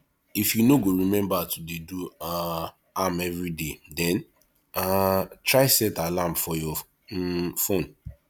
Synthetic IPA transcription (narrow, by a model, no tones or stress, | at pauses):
ifjunoɡoɹimɛ̃mbatudedua | amɛvɹidedɛ̃n | atɹaɪsɛtalãmfɔjɔ | fõn